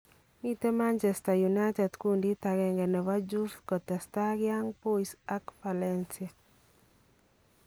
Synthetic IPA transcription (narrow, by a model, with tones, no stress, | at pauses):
mi˦te˦ma˦nt͡ʃɛ˨sta˨ju˨na˦tɛ˨dku˦ndi˦ta˨ɡɛ˨ŋɡɛ˨nɛ˨wa˦d͡ʒu˦fkɔ˨tɛ˨sta˦ɡja˦ŋpo˦isa˦kfa˨lɛ˦nsia˨